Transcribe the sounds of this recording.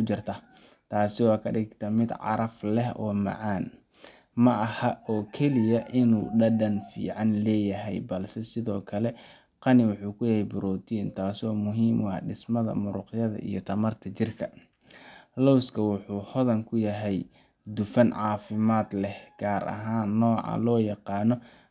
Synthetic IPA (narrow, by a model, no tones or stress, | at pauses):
ʊt͡ʃɪrt̪ʰɐː | t̪ʰaːsɪwɑːkʰɐɖɪɡt̪ʰɐmɪd̪ʕɑ̰ɾɐflɛhɔ̰ːmɑ̰ʕɑːn | mɐʔɐhɐʔɔːkʰɛlɪjɐʔɪnuːɖɐɖɐnfḭːʕɑnlɛːjɐɦɛjbɐlsɛsɪðɔːkʰɐlɛ | qɑnɪwʊħuːkʰʊjɐhɛjbʊɾɔːt̪ʰiːnt̪ʰaːsɔːmʊɦiːmwɑ̰ɖɪsmɐðɐ̰mʊɾʊ̰qjɐðɐ̰ʔḭjɞt̪ʰɐmɐrt̪ʰɐt͡ʃɪrkʰɐ | lɔwskʰɐwʊħuːhɔðɐŋkʰʊjɐɦɛj | d̪ʊfɐnʕɑːfɪmaːd̪lɛhɡ̥aːɾʔɐ̰ɦaːnːɔːʕɑ̰lɔːjɑqɑːnɔ